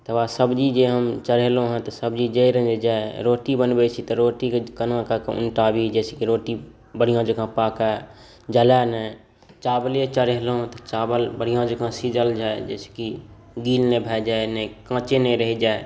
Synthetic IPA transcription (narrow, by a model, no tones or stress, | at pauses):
t̪əʋasəbd͡ʒid͡ʒeɦəmt͡ʃəɾelõɦɛ̃t̪ɔsəbd͡ʒid͡ʒeiɾə̃d͡ʒed͡ʒaːeɾoːʈibənbet͡ʃʰit̪ɔɾoːʈikkənãkakʊ̰nʈabʱid͡ʒɛːsekiɾoːʈi | bəɽ̤ijãd͡ʒəkãpaːka | d͡ʒəlanə | t͡ʃaːbəlet͡ʃəɾeɦlõt̪ɔt͡ʃaːbəlbəɽ̤ijãd͡ʒəkãsid͡ʒəld͡ʒaːed͡ʒɛːse̥ki | ɡiːlnebʱɛːd͡ʒaːenəkãːt͡ʃeneɾəɦid͡ʒaːe